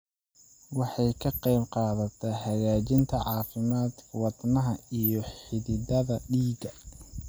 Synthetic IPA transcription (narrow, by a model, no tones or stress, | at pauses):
wɑħɑjkʰɐqɛjbqɑːðɐt̪ʰɛhɐɣaːt͡ʃɪnt̪ʰɐʕɑːfɪmaːd̪wɑd̪nɐɦɐijɔħɪðɪd̪ɐðɐɖiːɡɐ